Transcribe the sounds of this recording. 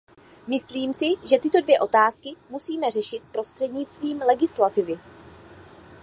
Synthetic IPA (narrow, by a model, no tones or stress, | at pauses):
mɪsliːmsɪʒɛt̪ɪt̪o̞dvjɛʔo̞t̪aːskɪmusiːmɛrɛʃɪt̪̚pɾo̞st̪r̥ɛdɲɪt͡st̪viːmlɛɡɪslat̪ɪvɪ